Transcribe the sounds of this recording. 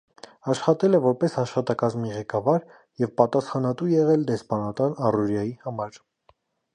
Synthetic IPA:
ɑʃχɑt̪ɛlɛvɔɾpɛsɑʃχɑt̪ɑkɑzmiʁɛkɑvɑɾ | jɛvpɑt̪ɑsχɑnɑt̪ujɛʁɛld̪ɛspɑnɑt̪ɑnɑruɾjɑjihɑmɑɾ

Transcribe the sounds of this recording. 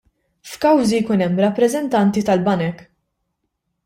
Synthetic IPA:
fkɐwzijkʊnɛmːɾɐpːɾɛzɛnt̪ɐnt̪it̪ɐlbɐnɛk

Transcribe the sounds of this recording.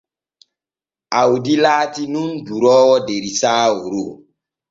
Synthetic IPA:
awdilaːtinunduɾɔːwɔdeɾisaːoɾo

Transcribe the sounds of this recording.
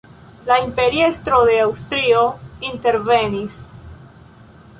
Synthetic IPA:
laimpe̞ɾie̞stɾo̞d̪e̞awstɾio̞inte̞ɾve̞nis

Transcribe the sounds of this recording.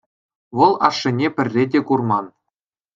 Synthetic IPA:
ʋɤ̆lˠɑʂːɘ̆nʲepʲɘ̆rʲːedʲekurmɑn

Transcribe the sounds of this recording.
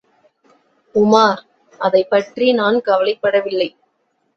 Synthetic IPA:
ʊmaːɾ | ʔɐðɐɪpːɐʈrinaːnkɐʋɐlɐɪpːɐɽɐʋɪlːɐɪ

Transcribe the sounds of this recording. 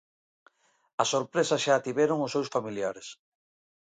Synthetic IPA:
ɐsoɾpɾesɐʃaːt̪iβɛɾoŋʊsːewsfamiljaɾes

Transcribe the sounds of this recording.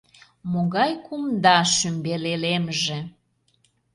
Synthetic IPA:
moɣɑjkumd̪ɑʃymbelelemʒe

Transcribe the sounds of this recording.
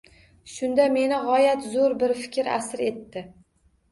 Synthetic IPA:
ʃʊnd̪ame̞nɪʁɒjat̪zoɾbɪɾfɪ̥kʲɾa̰sɾe̞t̪ːɪ

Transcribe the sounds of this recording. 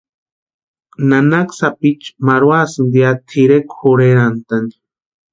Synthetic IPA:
nanaksapit͡ʃmaɾwasɨnd̪jat̪ʰiɾekxuɾeɾant̪ani̥

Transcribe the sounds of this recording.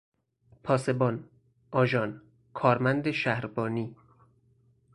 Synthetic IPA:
pʰɒːse̞bɒːn | ʔɒːʒɒːn | kʰɒːɾmænd̪eʃæhɾbɒːniː

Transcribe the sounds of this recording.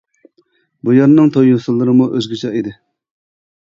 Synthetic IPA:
bujɑɾnɨŋt̪ʰojusɨlˠːɨɾɨmuʔøzɡʲit͡ʃʰɛid̪ɪ

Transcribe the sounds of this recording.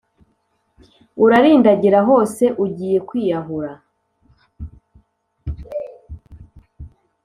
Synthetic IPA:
uɾaɾiːndaɟiɾaɦo̞ːse̞ʔuɟiːje̞kwiːjaɦuɾa

